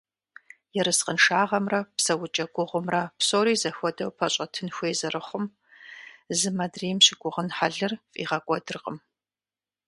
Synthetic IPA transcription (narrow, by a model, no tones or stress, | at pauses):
jɛɾɨsqənʂaːʁɐmrɐpsɐwʊt͡ʃʼɐɡʷʊʁʷʊmrɐpsoːɾiːzɐxʷɔdɐwpʰɐɕʼɐtʰɨnxʷeːzɐrɨχʷʊm | zɨmɐdriːmɕɪɡʷʊʁənħaɮɨrfʼḭːʁɐkʷʼɔdɨrqʼə̰m